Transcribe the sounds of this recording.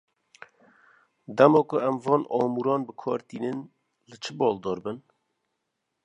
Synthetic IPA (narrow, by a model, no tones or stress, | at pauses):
d̪ɛmɑːkʊɛmvɑːnʔɑːmuɾɑːnbɨkʰɑːɾt̪iːnɨn | lɨt͡ʃʰɨbɑːld̪ɔːɾbɨn